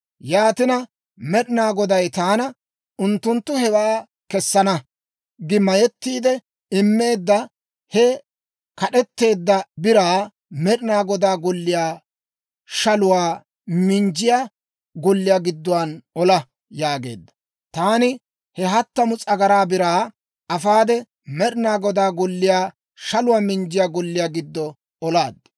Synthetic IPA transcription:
jaːt̪ɪnɐ | mɛɗɪnaːɡɔd̪ɐjt̪aːnɐ | ʊnt̪ːʊnt̪ːʊhɛwaː | kɛsːɐnɐ | ɡɪmːɐjɛt̪ːiːd̪ɛ | ɪmːe̞ːd̪ːɐ | hɛ | kɐɗɛt̪ːe̞ːd̪ːɐbɪɾaː | mɛɗɪnaːɡɔd̪aːɡɔlːɪjaː | ʃɐlʊwaː | mɪnd͡ʒɪjaː | ɡɔlːɪjaːɡɪd̪ːɔwɐnɔlɐ | jaːɡe̞̰ːd̪ːɐ̥ | t̪aːnɪ | hɛɦɐt̪ːɐmʊt͡sʼɐɡɐɾaːbɪɾaː | ɐfaːd̪ɛ | mɛɗɪnaːɡɔd̪aːɡɔlːɪjaː | ʃɐlʊwaːmɪnd͡ʒɪjaːɡɔlːɪjaːɡɪd̪ːɔ | ɔlaːd̪ː

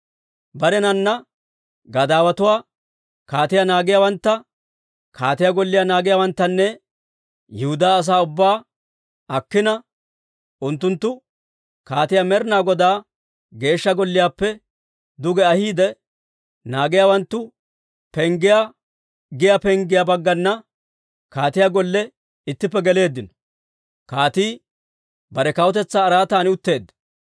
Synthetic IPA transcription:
bɐɾɛnɐnːɐ | ɡɐd̪aːwɐt̪ʊwaː | kaːt̪ɪjanaːɡɪjawɐnt̪ːɐ | kʰaːt̪ɪjaɡɔlːɪjaːnaːɡɪjaːwɐnt̪ːɐnːɛ | jɛhʊd̪aːɐs̬aːʊbːaː | ɐkːɪnɐ | ʔʊnt̪ːʊnt̪ːʊ | kaːt̪ɪjaːmɛɾnaːɡɔd̪aː | ɡe̞ːʃːɐɡɔlːɪjaːpːɛ | d̪ʊɡɛɐhiːd̪ɛ | naːɡɪjaːwɐnt̪ːʊ | pɛŋɡɪja | ɡɪjapɛŋɡɪjabɐɡːɐnːɐ | kaːt̪ɪjaɡɔlːɛ | ɪt̪ːɪpːɛɡɛle̞ːd̪ːɪnɔ̥ | kaːt̪iː | bɐɾɛkɐwɔt̪ɛt͡sːaːɾaːt̪aːnɪʊt̪ːe̞ːd̪ːɐ̥

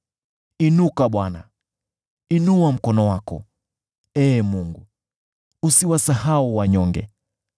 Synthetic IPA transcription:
inukaɓwana̰ | inuam̩kɔnɔwakɔ̰ | ɛːmuŋɡu | usiwasahauwaɲɔŋɡɛ̰

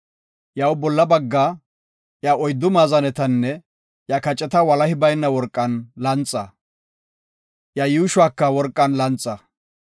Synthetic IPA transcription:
jɐwbɔlːɐbɐɡːa | jɐɔjd̪ːʊmaːzɐnɛt̪ɐnːɛ | jɐkɐt͡ʃʼːɛt̪ɐwɐlɐhɪbɐjnːɐwɔɾkʼːɐnlɐnt͡sʼːɐ | jɐjuːʃʊaːkːɐwɔɾkʼːɐnlɐnt͡sʼːɐ

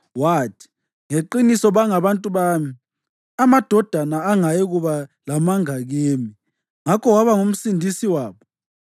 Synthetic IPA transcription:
waːtʰi̥ | ŋeǃinisɔβaŋaβantʼuβaːmi | amad̥ʱɔd̥ʱanaːŋajɛɣuβalamaŋaɣeːmi | ŋakʰɔwaβaŋum̩sindʱisiwaːβɔ

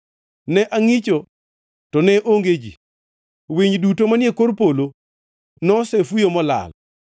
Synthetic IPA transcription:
nɛʔaŋit͡ʃo | tɔnɛʔoŋɡed͡ʒḭ | wiɲdutomanjekoɾpolo | nɔsɛfujomɔla̰l

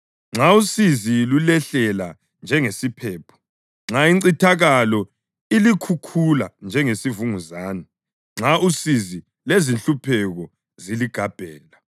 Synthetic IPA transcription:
ŋ͡ǁausizilulɛɬɛla | nd͡ʒʱɛŋesipʰɛːpʰɔ̥ | ŋ͡ǁaiǀitʰaɣalɔ | ilikʰukʰuland͡ʒʱɛŋesivuŋuzaːnɛ | ŋ͡ǁausizi | lezinɬupʰɛɣɔ | ziliɡ̥ʱab̥ʱɛːla

